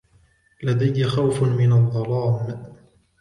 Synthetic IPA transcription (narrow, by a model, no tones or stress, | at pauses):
lad̪ajːaxawfmɪnɑd̪ˤːɑlɑːm